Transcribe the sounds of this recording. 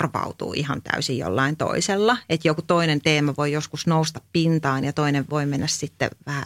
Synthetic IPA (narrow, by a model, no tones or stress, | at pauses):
rʋɑ̰ut̪ṵːḭhɑnt̪æ̰ysijjo̰lːɑint̪o̰iselːɑet̪jokut̪oinent̪eːmæʋoijoskusnoust̪ɑppint̪ɑːnjɑt̪oineʋʋoimenːæssit̪ːḛʋæhæ